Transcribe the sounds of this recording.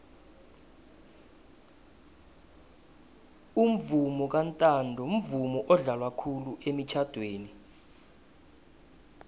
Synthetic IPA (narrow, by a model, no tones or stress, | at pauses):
um̩vumɔk̬antʼandʱɔum̩vumɔʔɔɮalwakʰuluʔemit͡ʃʰad̥ʱweːni